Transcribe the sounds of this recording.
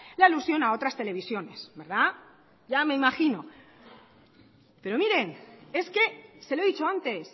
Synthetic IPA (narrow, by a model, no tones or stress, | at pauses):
lailusjo̞nao̞t̪ɾast̪e̞le̞β̞isjo̞ne̞sbe̞ɾða | ʝame̞imaxino̞ | pe̞ɾo̞miɾe̞ne̞ske̞se̞loðit͡ʃo̞ant̪e̞s